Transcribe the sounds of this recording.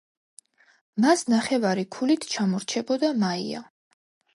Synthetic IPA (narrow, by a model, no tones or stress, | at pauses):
masnaχɛvaɾikʰulit̪ʰt͡ʃʰamɔɾt͡ʃʰɛbɔd̪amaia̰